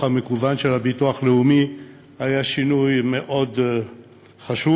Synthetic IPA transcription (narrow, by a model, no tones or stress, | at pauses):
amekuvanʃelabituaχle̞umi | hajaʃinujme̞ʔo̞d | χaʃu